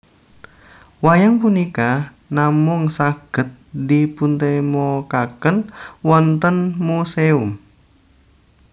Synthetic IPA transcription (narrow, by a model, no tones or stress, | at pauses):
wajaŋpunika | namʊŋsaɡ̥ə̤t̪̚dipunt̪emɔkakənwɔnt̪ənmuseʊm